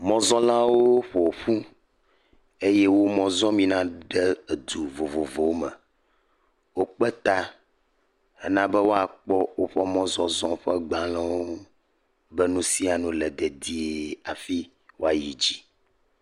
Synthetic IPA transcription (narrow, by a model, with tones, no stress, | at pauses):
mɔ̃˨zɔ̃˦lã˦wo˦ɸɔ˨wo˨ɸu˦ | e˦jɛ˦wo˦mɔ̃˨zɔ̃˦mĩ˦nã˦ɖɛ˦e˨d̪u˨vo˨vo˨vo˨wo˦mɛ˨ | wo˦k͡pɛ˦t̪a˦ | ɛ˦nã˦bɛ˦wo˦a˨k͡pɔ˦wo˦ɸɔ˦mɔ̃˦zɔ̃˦zɔ̃˦ɸɛ˦ɡ͡bã˨lɛ̃˦wo˦ | bɛ˦nũ˦si˦a˨nũ˦lɛ˨d̪ɛ˨d̪i˦e˦a˨fi˦ | wo˦a˨ji˨d͡ʑi˦